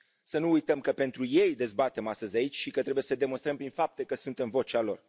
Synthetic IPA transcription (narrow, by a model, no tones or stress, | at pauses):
sənuujt̪əmkəpe̞nt̪ɾuje̞jd̪e̞zbat̪e̞mast̪əzʲait͡ʃʲʃikət̪ɾe̞bujesəd̪e̞monst̪ɾəmpɾinfap̚t̪e̞kəsunt̪e̞mvo̞t͡ʃealo̞̰r